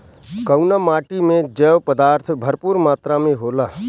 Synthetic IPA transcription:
kəʊnamaːʈimẽd͡ʒəːʋpəd̪aːɾt̪ʰbʱəɾpuːɾmaːt̪ɾamẽɦoːlaː

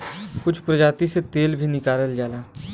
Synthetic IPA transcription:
kʊt͡ʃʰpɾəd͡ʒaːt̪iset̪eːlbʱinɪkaːləld͡ʒaːlaː

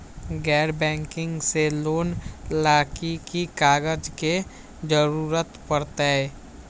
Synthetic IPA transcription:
ɡɛːɾbɛ̃ːŋkɪ̃ŋɡseloːnlaːkikikaːɡəd͡ʒke | d͡ʒəɾuːɾət̪pəɾt̪aɛ

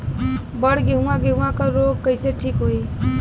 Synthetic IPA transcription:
bəɽɡeɦũãɡeɦũãkəɾoɡ̚kəɪseʈʰikɦoj

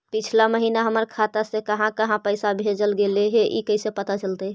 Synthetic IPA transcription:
pit͡ʃʰlaməɦinaɦəməɾkʰat̪asẽkəɦãkəɦãpəɪsabʱed͡ʒəlɡeleɦeʔḭkəɪsepət̪at͡ʃəlt̪ə

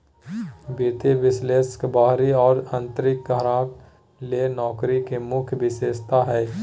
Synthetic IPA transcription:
bit̪eʋɪsleːskbaːɦɾiɔːɾə̃nt̪ɾɪk̚ɡʱəɾãːk | lenɔːkɾikemʊkʰjʋɪseːst̪aɦɛː

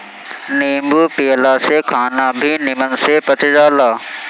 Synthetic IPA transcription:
niːmbuːpeːlaːsekʰaːnabʱinɪmənsepɐt͡ʃed͡ʒaːlaː

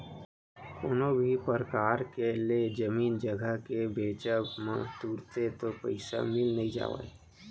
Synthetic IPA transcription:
koːnobʱipəɾəkaːɾkeled͡ʒəmiːnd͡ʒəɡʱəkebeːt͡ʃəmã̰t̪uːɾt̪et̪opə̰ɪsa̰mɪlnəɦĩd͡ʒa̰ːʋḛ

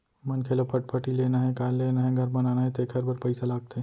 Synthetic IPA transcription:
mɐnkʰeːlopʰɐʈ̚pʰəʈileːnaɦɛkaːllːeːnaɦɛ̃ɡʱɐɾbɐnaːnaɦɛ̃t̪ekʰɐɾbɐɾpɐɪsalaːɡ̚t̪e

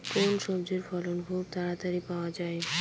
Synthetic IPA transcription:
konʃɔbd͡ʑeɾfɔlonbʱub̚t̪aɾat̪aɾipaoad͡ʑae

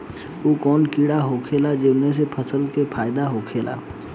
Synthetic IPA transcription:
oːkɔːnkiɽaɦokʰeːlad͡ʒɪmes̬epʰəsəlkepʰaːɪd̪aɦokʰeːlʔa̰ː

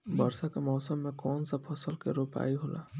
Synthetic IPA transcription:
bɐɾsakamɔːsəmːẽkɔːnsapʰɐsəlkeɾoːpa̰ːiɦoːla̰ː

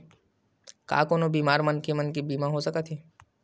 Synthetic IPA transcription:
ka̰ːkoːnobiːmaːɾmɐnkemənkibiːmaɦosɐkat̪ʰiː

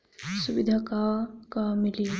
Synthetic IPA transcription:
sʊʋɪd̪ʱakakamɪli

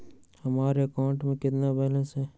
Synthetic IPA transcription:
hɐmaːɾeəkaːʊ̃ɳʈmẽkɪt̪nabɛɦlə̃nsɦɛː

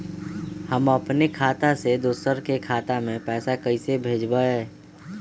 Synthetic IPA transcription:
həməpnekʰaːt̪ased̪ʊsəɾkekʰaːt̪amẽpɛːsakəisebʱeːd͡ʒbaɦɛː

